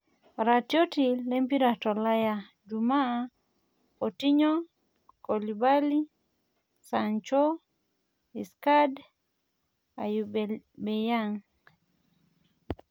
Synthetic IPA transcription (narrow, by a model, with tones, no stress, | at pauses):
ɾa˨tjo˦ti˨le˦mpi˦ɾa˨tɔ˨la˦ja˨ | d͡ʒu˨ma˦ | o˨ti˦ɲɔ˦ | ko˨li˨ba˦li˦ | sa˨nt͡ʃo˦ | i˨ska˦d | a̰˨j | be˨ja˦ŋ